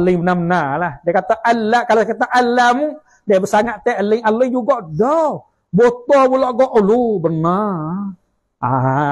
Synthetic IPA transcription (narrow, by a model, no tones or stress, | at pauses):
aləŋmənamənalahdɛkat̪aʔalakalokat̪aʔalamu | dɛbəsaŋaʔt̪ɛəlɪŋaləŋd͡ʒuɡɔʔdɔ | bot̪ɔbulɔʔɡɔʔlubəna | a